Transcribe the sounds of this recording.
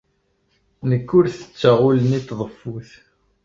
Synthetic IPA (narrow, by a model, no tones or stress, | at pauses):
nəkːʊɾθə̥t͡sːaʁʊlənit̪ðˤəfːuθ